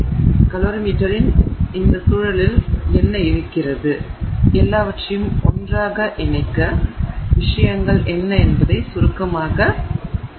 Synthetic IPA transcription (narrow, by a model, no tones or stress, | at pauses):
kɐloːɾɐmiːʈːɐɾɪnɪnd̪ɐsuːɻɐlɪlɛnːɐɪɾɯkːɪrɐðɯʔɛlːaːʋɐʈrɐjɯmʔɔndraːɣɐʔɛnɐɪkːɐʋɪʂɐjɐŋɡɐɭʔɛnːɐɛnbɐðɐɪsʊɾɯkːɐmaːɣɐ